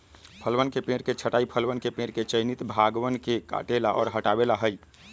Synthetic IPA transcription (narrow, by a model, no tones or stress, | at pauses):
pʰəlwənkepẽɾket͡ʃʰəʈaːipʰəlwənkepẽɾket͡ʃəɪnit̪bʱaɡwənkeka̰ʈelaʔɔ̰ːɾɦəʈabelaɦəj